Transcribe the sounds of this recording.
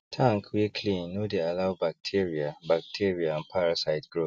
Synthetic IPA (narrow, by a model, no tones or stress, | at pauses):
tʰãŋkʰwikʰlĩnːodealawbak̚tʰiɹiabak̚tʰiɹiaãnpʰaɹasaɪtɡɹo